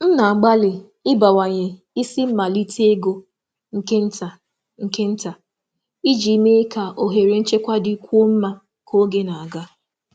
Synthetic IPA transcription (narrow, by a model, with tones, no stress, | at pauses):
n̩˦na˨ɡ͡ba˦lɪ˨ | ɪ˦ba˨wa˨ɲe˨ | i˦si˦m̩˦ma˨li˦te˦ɡo˦ | ŋ̩˨ke˦n̩˦ta˨ | ŋ̩˨ke˦n̩˦ta˨ | i˦d͡ʒi˨˦me˦ka˨ʔo˨ɦe˨ɾe˨n̩˦t͡ʃe˦kʷa˦di˦kʷu˦o˦m̩˦ma˦ | kʰo˦ɡe˦na˨a˨ɡa˦